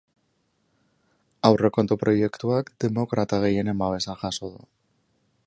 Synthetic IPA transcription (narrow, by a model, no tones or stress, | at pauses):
awre̞ko̞nt̪opɾo̞jekt̪uakd̪e̞mo̞kɾat̪aɣ̞e̞jenemaβe̞saʝasoðu